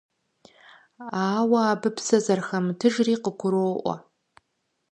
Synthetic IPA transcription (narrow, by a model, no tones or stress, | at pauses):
aːwɐaːbɨpʰsɐzɐrxɐmtʰɨʒriːqəkʷʰʊɾoʔʷɔ̰